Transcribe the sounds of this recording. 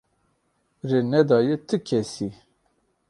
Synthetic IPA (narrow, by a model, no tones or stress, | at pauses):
renɛd̪ɑːjet̪ʰɨkʲʰɛsi